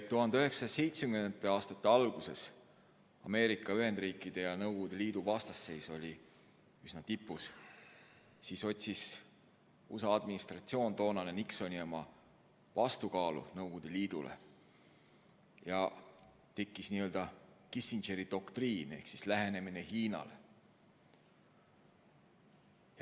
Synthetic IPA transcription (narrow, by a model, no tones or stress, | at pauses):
t̪ːuɦɑnd̪eye̞ksɑse̞jt̪smkent̪ːˑeɑːst̪ɑt̪ːˑeɑlɡ̥use̞s | ɑme̞ːɾikːˑɑyɦhe̞nd̪̥rɾiːkːˑid̪̥e̞jɑnɤwɡ̥ud̪̥e̞liːd̪̥uvɑst̪ɑsːe̞jso̞lʲi | ysnɑt̪ipːˑus | siso̞t̪ʲsis | usɑɑd̪̥minist̪rɑt̪sio̞ːnt̪o̞ːnɑnenikso̞nʲio̞mɑ | vɑst̪ukɑːlṵnɤwɡ̥ud̪̥e̞liːd̪̥ulʔḛ | jɑ | t̪e̞kˑːisniːø̞ld̪ɑkisinʒeɾid̪̥o̞kt̪riːne̞hksislæɦe̞ne̞mine̞hiːnɑ̰le